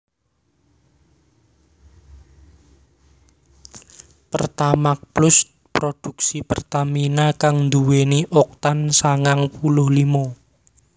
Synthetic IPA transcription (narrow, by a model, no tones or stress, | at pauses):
pə̰rt̪amak̚plʊs | pɾod̪̥ṳksipərt̪aminakaŋnd̪uweniʔɔk̚t̪ansaŋaŋpulʊhlimɔ